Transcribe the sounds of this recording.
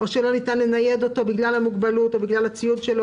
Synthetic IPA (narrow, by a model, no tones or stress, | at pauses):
o̞ʃelo̞nit̪anlenaje̞d̪o̞t̪obiɡlalhamuɡbalut̪obiɡlalat͡sijudʃelo